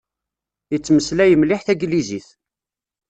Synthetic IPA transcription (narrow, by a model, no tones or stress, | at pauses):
jət͡sːməslæjəmlɪħθæɡliziθ